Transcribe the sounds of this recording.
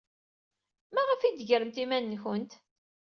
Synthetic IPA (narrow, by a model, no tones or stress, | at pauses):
mæʁəfid̪əʝəɾəmt̪imænːçənt̪